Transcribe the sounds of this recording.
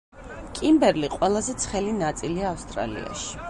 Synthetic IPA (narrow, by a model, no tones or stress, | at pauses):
kʼimbɛɾliqʼwɛlˠazɛt̪sʰχɛlinat̪sʼiliaːfst̪ʼɾa̰lḭa̰ʃi̥